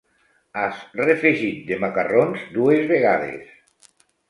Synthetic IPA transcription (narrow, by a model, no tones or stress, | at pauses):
asrefeʒit̪̚d̪emakaronzd̪uezβeɣaðḛs